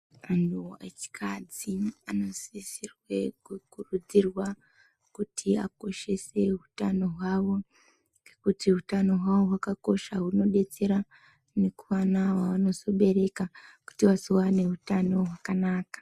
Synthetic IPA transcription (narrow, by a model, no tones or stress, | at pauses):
anduḛci̥kʰad͡ziano̞sisirwe̞ɡwekurud͡zirwa | kutʰia̰ko̞ʃe̞se̞ɦutano̞ɦwawo̞ | ɡekutiɦutano̞ɦwawo̞ɦwakako̞ʃaɦuno̞ɗe̞t͡seɾa | nekuanawaʋano̞so̞ɓe̞ɾe̞kaku̥tiʋasowane̞ɦutano̞ɦwakanaːkḁ